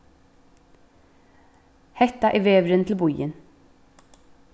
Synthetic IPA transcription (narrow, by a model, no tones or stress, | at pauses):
hɛt̪aʔiʋeːʋɾənt̪ʰl̩bɔjə̰n